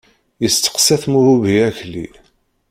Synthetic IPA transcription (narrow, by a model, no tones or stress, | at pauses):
jəst̪ə̥qsæθmuhuviæçlḭ